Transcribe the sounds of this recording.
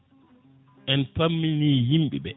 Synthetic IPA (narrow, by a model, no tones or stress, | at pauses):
ʔɛnpamːiniːjimɓiɓɛ